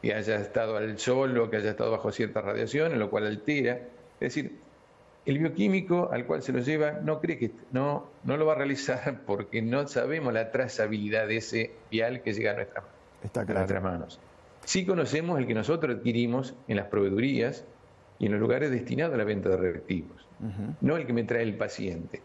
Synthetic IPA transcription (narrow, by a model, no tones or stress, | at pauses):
kḛaʒaest̪aðoalsolokeaʒaest̪a̰ðo̞βaxo̞sjeɾt̪asra̰ðj̰ʔa̰sjo̞neslokwa̰lalt̪eɾaeðesiɾ | elβjo̞kimiko̞ʔa̰lkwa̰lselʔo̞ʒeβ̞ano̞kɾeket̪nono̞lo̞βarealisaɾpoɾkenosa̰βemozlat̪ɾasaβiliðaðeeseβjalkeʒeɣanwḛht̪ɾa̰ | t̪aanwet̪ɾa̰mano̰s | siko̞nosemoselkeno̞sot̪ɾosaðkiɾimosenlaspɾo̞β̞e̞ðuɾias | ienlo̞zluɣaɾezðest̪inaðoalaβent̪aðerelḛk̚t̪iβosno̞elkemet̪ɾaelpasjḛnt̪e